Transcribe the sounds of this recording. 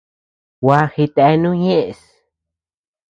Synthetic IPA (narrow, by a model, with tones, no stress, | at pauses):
wa˦xi˧t̪a˨e˦nũ˦ɲẽ˦ʔs